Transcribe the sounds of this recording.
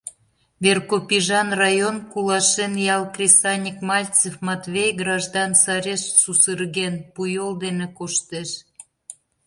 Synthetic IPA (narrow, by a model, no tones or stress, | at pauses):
βerkopʲiʒɑnrɑjonkulɑʃenjɑlkrʲesɑnʲikmɑlʲt͡sefmɑt̪vʲejɡrɑʒd̪ɑnsɑɾʲeʃsusərɣenpujold̪enekoʃt̪eʃ